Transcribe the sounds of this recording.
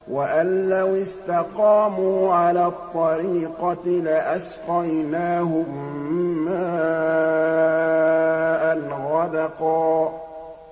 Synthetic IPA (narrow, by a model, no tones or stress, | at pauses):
waʔanːawɪst̪ɑqɑːmuːʕalaːt̪ˤːɑɾiːqɑlɪʔasqɑjnaːɦʊmː | aː | ʔalɣɑd̪ɑqɑː